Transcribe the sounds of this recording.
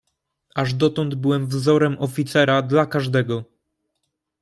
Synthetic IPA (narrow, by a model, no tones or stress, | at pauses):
aʐd̪ɔt̪ɔnd̪bɘwɛmvzɔɾɛmʔɔfʲit̪sɛɾad̪lakaʐd̪ɛɡɔ